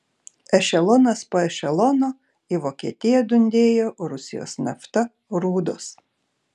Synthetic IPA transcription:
ɛʃʲɛlˠɔːnɐspoːɛʃʲɛlˠɔːnoː | iʋoːkʲiɛt̪ʲɪjɛd̪ʊnʲd̪ʲeːjoːɾʊsʲɪ̰jo̰ːsnɐ̰ft̪ɐ | ɾuːd̪oːs

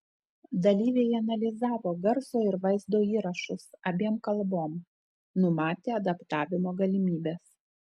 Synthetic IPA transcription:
d̪ɐlʲiːʋʲeːjɐnɐlʲɪzɑːʋoːɡɐɾsoːɪɾʋɐɪzd̪oːiːɾɐʃʊsɐbʲiɛmkɐlˠboːm | nʊmɑːt̪ʲeːɐd̪ɐpt̪ɑːʋʲɪmoːɡɐlʲɪmʲiːbʲeːs

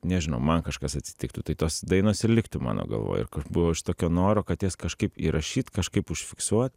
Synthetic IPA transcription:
nʲɛʒʲɪnɐʊmɐnkɐʃkɐsɐt̪ʲsʲɪ̥t̪ʲɪk̚t̪ʊt̪ɐɪt̪oːsd̪ɐɪnoːsɪɾlʲɪkt̪ʊmɑ̰ːno̰ːɡɐ̰lˠʋo̰ːj̰ɪ̰ɾkɐbʊʋoːɪʃt̪oːkʲoːnoːɾoːkɐt̪jɛskɐʃkɐɪpḭːɾʔɐʃʲiːt̪kɐʃkɐɪpʊʃʲfʲɪksuɔt̪

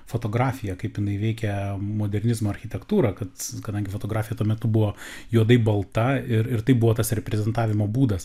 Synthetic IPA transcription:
foːt̪oːɡɾɑːfʲɪjɛkɐɪpjɪnɐɪʋʲɛɪkʲɛmoːd̪ʲɛrʲɾʲnʲɪzmoːɐrʲxʲɪt̪ʲɛkt̪uːɾɐkɐt̪kɐd̪ɐŋʲɡʲɪfoːt̪oːɡɾɑːfʲɪjɛt̪uɔmʲɛt̪ʊbʊʋoːjuɔd̪ɐɪbɐlˠt̪ɐɪɾɪɾt̪ɐɪbʊʋoːt̪ɐsɾʲɛpʲɾʲɛzʲɛnt̪ɑːʋʲɪmoːbuːd̪ɐs

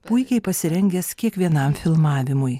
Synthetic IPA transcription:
pʊɪkʲɛɪpɐsʲɪɾʲɛŋʲɡʲɛskʲiɛkʋʲiɛnɐmfʲɪlˠmɑːʋʲɪmʊj

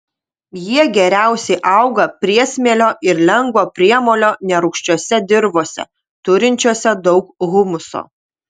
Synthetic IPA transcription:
jiɛɡʲɛɾʲæˑʊsʲɛɪʔɐʊɡɐpʲɾʲiɛsʲmʲeɛlʲoːʔɪɾlʲɛŋɡʋoːpʲɾʲiɛmoːlʲoːnʲɛɾʊkʃʲt͡ʃʲuɔsʲɛd̪ʲɪɾboːsʲɛ̰ | t̪ʊɾʲɪnʲt͡ʃʲuːsʲɛd̪ɒʊkɣʊmʊso̰ː

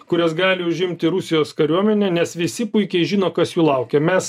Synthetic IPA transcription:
kʊɾʲɛsɡɑːlʲɪʊʒʲɪmʲt̪ʲɪɾʊsʲɪjoːskɐɾʲuɔmʲɛnʲɛnʲɛsʋʲɪsʲɪpʊɪkʲɛɪʒʲɪːnoːkɐsjuːlˠɐʊkʲɛmʲɛs

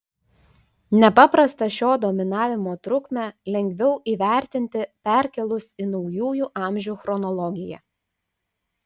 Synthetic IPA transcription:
nʲɛpɑpɾɐst̪ɐʃʲoːd̪ɔːmʲɪnɑːʋʲɪmoːt̪ɾʊkmʲɛlʲɛŋʲɡʲʋʲɛʊʔiːʋʲæˑɾʲt̪ʲɪnʲt̪ʲɪpʲæˑɾʲkʲɛlˠʊsinɔʊjuːjuːʔɑːˑmʲʒʲuːxɾɔnɔlˠɔɡʲɪjɛ̰

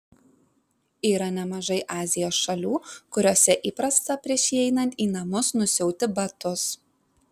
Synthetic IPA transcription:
iːɾɐnʲɛmɐʒɐɪʔɑːzʲɪjoːsʃɐlʲuːkʊɾʲoːsʲɛʔiːpɾɐst̪ɐpʲɾʲiɛʃʲiɛɪnɐnʲt̪ʲiːnɐmʊsnʊsʲɛʊt̪ʲɪbɐt̪ʊs

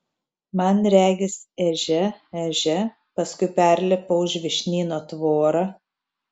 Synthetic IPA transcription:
mɐnɾʲæːɡʲɪsɛʒʲɛɛʒʲɛ | pɐskʊɪpʲæˑɾʲlʲɛpɐʊʒʲʋʲɪʃʲnʲiːnoːt̪ʋoːɾɑ

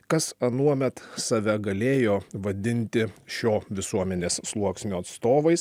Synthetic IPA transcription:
kɐsɐnuɔmʲɛt̪sɐʋʲɛɡɐlʲeːjoːʋɐd̪ʲɪnʲt̪ʲɪʃʲoːʋʲɪsuɔmʲɛnʲeːsslˠuɔksʲnʲuːɐt̪st̪oːʋɐɪs

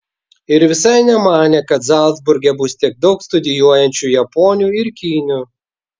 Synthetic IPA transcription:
ɪɾʋʲɪsɐɪnʲɛmɑːnʲeːkɐt̪zɑˑlˠd̪zbʊɾʲɡʲɛbʊst̪ʲiɛɡ̚d̪ɒʊkst̪ʊd̪ʲɪjuɔjɛnʲt͡ʃʲuˑjɛpɔːnʲuːɪɾkʲiːnʲu

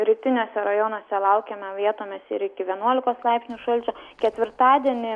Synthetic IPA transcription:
ɾʲiːt̪ʲɪnʲoːsʲɛɾɐjonoːsʲɛlˠɐʊkʲɛmʲɛʋʲiɛt̪oːmʲɛsɪɾɪkʲɪʋʲiɛnuɔlʲɪkoːslˠɐɪpʲsʲnʲuːʃɐlʲt͡ʃʲukʲɛt̪ʲʋʲɪɾt̪ɑːd̪ʲiɛnʲɪ

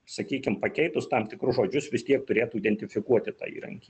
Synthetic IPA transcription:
sɐkʲiːkʲɪmpɐkʲɛɪt̪ʊst̪ɐmt̪ʲɪkɾʊʒoːd͡ʒʲʊsʋʲɪst̪ʲiɛkt̪ʊɾʲeːt̪uːid̪ʲɛnʲt̪ʲɪfʲɪkuɔt̪ʲɪt̪ɑ̰ːḭːɾɐ̰ŋʲkʲiː

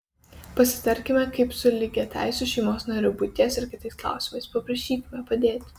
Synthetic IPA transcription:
pɐsʲɪ̥t̪ɐɾʲkʲɪmʲɛkɐɪpsʊlʲɪɡʲɛt̪ʲæ̰ˑɪsʲʊʃʲɛɪmoːsnɐɾʲʊbʊt̪ʲiɛsɐɾkʲɪt̪ɐɪsklˠɑ̰ˑʊsʲɪmɐɪspɐpɾɐʃʲiːkʲɪmʲɛpɐd̪ʲeːt̪ʲ

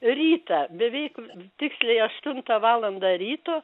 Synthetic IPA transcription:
ɾʲiːt̪ɐbʲɛʋʲɛɪkt̪ʲɪksʲlʲɛɪɐʃt̪ʊnt̪ɐʋɑːlˠɐnd̪ɐrʲiːt̪oː

